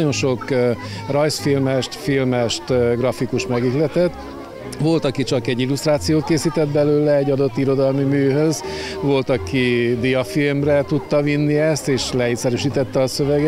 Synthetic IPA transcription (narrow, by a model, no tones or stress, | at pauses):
o̞nʃo̞kː | rɒjsfilmɛʃt̪filmɛʃt̪ːɡrɒfikuʃmɛɡiklɛt̪ɛt̪ː | ʋo̞lt̪ɒkit͡ʃɒkɛɟːilust̪raːt̪sijoːt̪̚keːsiːt̪ɛd̪̚bɛløːlɛːɟːɒd̪o̞t̪ːiɾo̞d̪ɒlmimyːɦø̞z | ʋo̞lt̪ɒkid̪ijɒfilmrɛt̪ut̪ːɒvinːiɛst̪eːʃlɛit̪sɛɾyʃiːt̪ɛt̪ːɛɒːsø̞vɛɡɛ